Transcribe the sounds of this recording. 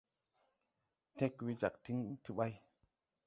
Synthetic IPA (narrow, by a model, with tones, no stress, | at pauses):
te˦kwi˧d͡ʒa˨k̚tʰi˦ŋtʰi˧ɓa˧j